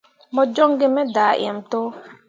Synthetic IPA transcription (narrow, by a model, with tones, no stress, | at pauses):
mɔ˨d͡ʒɔ˦ŋɡe˦mɛ˦daː˨ʔj̰ɛ̰˨mto˦